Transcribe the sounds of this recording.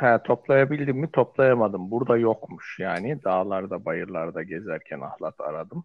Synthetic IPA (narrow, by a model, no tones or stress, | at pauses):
hɛt̪ʰo̞plˠajabilʲd̪imːit̪ʰo̞plˠajamad̪ɯmbuɾd̪ajokmuʃjaːnid̪aːlˠaɾd̪abajɯɾlˠaɾd̪aɟezæɾcʰɛna̰hlˠat̪ʰa̰ɾad̪ɯm